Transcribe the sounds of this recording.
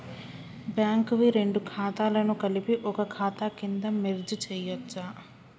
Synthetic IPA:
bjaːŋkɐʋiɾe̞ɳɖukʰaːt̪aːlɐnukɐlipiʔɔkɐkʰaːt̪akind̪ɐmeɾd͡ʒut͡ʃɛːjɐt͡ʃːa

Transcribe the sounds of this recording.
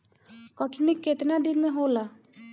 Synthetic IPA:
kəʈʰnɪkːet̪nad̪ɪnmẽɦola

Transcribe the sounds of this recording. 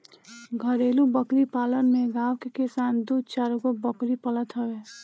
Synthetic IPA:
ɡʱəɾeːlubəkɾipaːlənmẽɡaːʋkekɪsaːnd̪uːd̪̚t͡ʃaːɾɡobəkɾipələt̪ɦəʋeː

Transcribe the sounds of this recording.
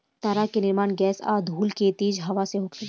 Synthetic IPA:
t̪aːɾakenɪɾmaːnɡɛːsa̰ːd̪ʱuːlket̪iːd͡ʒɦɐʋaseɦokʰe

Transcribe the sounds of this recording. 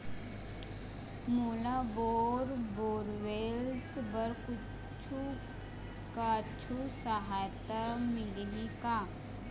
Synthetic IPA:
moːlaboɾboːɾʋelsbəɾku | t͡ʃʰu | kat͡ʃʰusəɦajt̪amɪlnika

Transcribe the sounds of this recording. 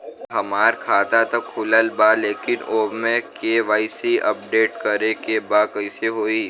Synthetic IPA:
ɦɐmaːɾkʰaːt̪at̪ɐkfʊləlbaleːkɪnoːmẽkeːʋaːisiʔɐp̚ɖeːʈkɐɾekebakɐɪseɦoːi

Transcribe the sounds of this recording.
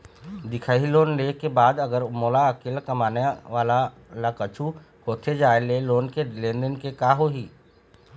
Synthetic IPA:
d̪ɪkʰaːiloːnleːkebaːd̪ɐɡəɾmoːlaəkɪlkɐmaːneʋaːla | lakət͡ʃʰu | hoːt̪ʰed͡ʒaːeleloːnkelẽːnd̪ənkekaːɦoːɦiː

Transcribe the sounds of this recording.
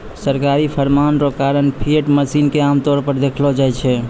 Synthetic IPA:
səɾkaɾipʰəɾmanɾɔkaɾənpʰieʈməsinkeamt̪ɔɾpəɾd̪ekʰlɔd͡ʒajt͡ʃʰɛ

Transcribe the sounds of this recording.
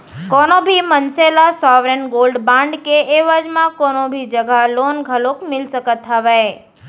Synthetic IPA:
kɔnobʱimənselasɔʋɾenɡolɖbãɳɖkeːʋad͡ʒmãkonobʱid͡ʒəɡʱalonɡʱəlokmɪlʃəkət̪ɦəʋe

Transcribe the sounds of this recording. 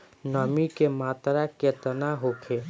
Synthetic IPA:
nɔːmikemaːt̪ɾaket̪ənaɦokʰeː

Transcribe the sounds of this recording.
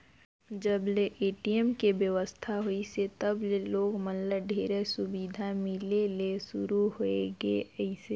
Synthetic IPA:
d͡ʒəbleʔeːʈiemkebjəʋəst̪ʰaɦoiset̪əbleloːɡmənləɖʱeːɾesʊbiːd̪ʱamɪlelesʊɾuɦoḛɡḛɛɪse

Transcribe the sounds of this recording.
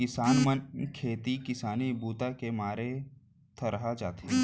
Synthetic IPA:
kɪsaːnmənkʰeːt̪ikɪsaːnibuːt̪akemaːɾe | t̪ʰɐɾɐɦad͡ʒaːt̪eɛ̃

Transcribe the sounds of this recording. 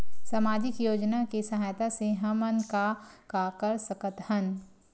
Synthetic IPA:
samaːd͡ʒɪkjoːd͡ʒnakesɐɦaːjt̪aseɦɐmənkakakɐɾsɐkət̪hɐn

